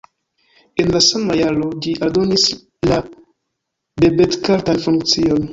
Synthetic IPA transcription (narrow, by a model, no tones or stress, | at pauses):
e̞nlasamajalo̞liʔaldo̞nis | la | be̞betkaltanfunk̚t͡sio̞n